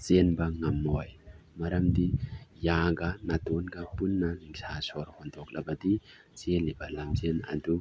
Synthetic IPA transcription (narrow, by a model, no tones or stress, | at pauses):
t͡senbɐŋɐmːojmɐɾɐmdijaɡɐnɐtonɡɐpunːɐniŋsasɔɾhɔndɔk̚lʔɐbɐdi | t͡selibɐlɐmzenɐ̰du